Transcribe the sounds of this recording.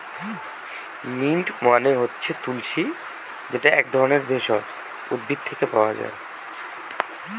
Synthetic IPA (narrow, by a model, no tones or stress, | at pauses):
miɳʈmaneɦotːɕʰet̪ulʃi | d͡ʑeʈaɛk̚d̪ʱɔɾoneɾbʱeʃɔt | ud̪̚bʱid̪̚t̪ʰekepaoa̰d͡ʑa̰e